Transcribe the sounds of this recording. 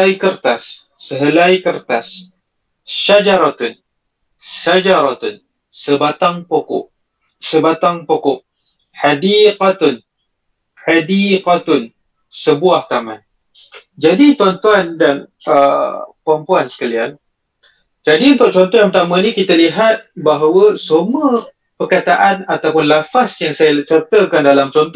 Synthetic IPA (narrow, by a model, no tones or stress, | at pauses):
jkərt̪asː | əɦəlajkərt̪as | ʃad͡ʒaɾat̪ʊn | ʃad͡ʒaɾɔt̪ʊn | səbat̪aŋpokʊ̰ʔ | səbat̪aŋpokɔʔ | had̪iqat̪ʊn | ħad̪iqat̪ʊn | səbuahk̪aman | d͡ʒadit̪uant̪uandan | ə̰pəampuansə̥kalian | d͡ʒadiunt̪ʊʔ̚t͡ʃɔnt̪ɔjãŋpət̪amãnikit̪aliɦat̪̚baɦawəsəmuə | pərkat̪aʔanat̪awpʊnlafasjaŋsajat͡ʃərt̪əkandalamt͡ʃɔnt̪